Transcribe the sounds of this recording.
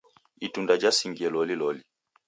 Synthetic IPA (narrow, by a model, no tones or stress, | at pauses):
itundad͡ʒasiŋɡiɛlɔlilɔli